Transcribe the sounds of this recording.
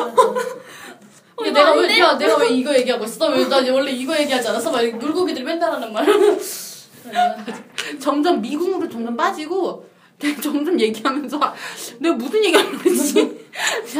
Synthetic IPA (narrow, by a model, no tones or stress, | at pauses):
eneɡawneɡaneɡaweiɡʌje̞ɡiɦaɡois͈ʌs͈ʌmeʌs͈ad͡ʑewʌɭːeiɡʌje̞ɡiɦad͡ʑianas͈ʌmanuɭɡoɡidɯɭpwendaɾɦanɯnmaɾ | ad͡ʑt͡ɕʌmd͡ʑʌmːiɡuŋɯɾot͡ɕʌmd͡ʑʌmp͈ad͡ʑiɡo | net͡ɕʌŋd͡ʑʌmje̞ɡiɦamjʌnsʰʌneɡamusʰɯnje̞ɡiaet͡ɕ͈i